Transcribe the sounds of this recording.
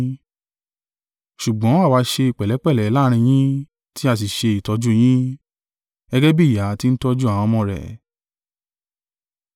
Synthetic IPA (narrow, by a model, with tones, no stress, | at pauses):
ʃu˨ɡ͡bɔ̃˨˦a˦˨wa˧ʃe˧i˨k͡pɛ˨lɛ˨˦k͡pɛ˦˨lɛ˨˧˦la˦˧ɾ̃ĩ˧j̃ĩ˦ | ti˦a˦˨t̬i˨ʃe˧i˨tɔ˧d͡ʒu˦j̃ĩ˦ | ɛ˧ɡɛ˦bi˦˨ja˨˦ti˦n̩˦tɔ˦d͡ʒu˦a˨w̃ɔ̃˧mɔ̃˧ɾɛ̰˨